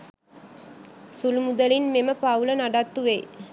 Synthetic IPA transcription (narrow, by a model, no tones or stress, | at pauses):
sulumud̪əlinmeməpaulənaɖat̪ːuʋej